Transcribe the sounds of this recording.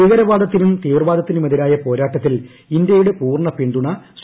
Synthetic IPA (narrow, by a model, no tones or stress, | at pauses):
iɣɐɾɐʋaːd̪ɐt̪ːinumt̪iːʋɐrʋaːd̪ɐt̪ːinɨmɐðiɾaːjɐpo̞ːɾaːʈːɐt̪ːil | ind̪jɐjuɽepuːrɳɐpeɳɖuɳɐs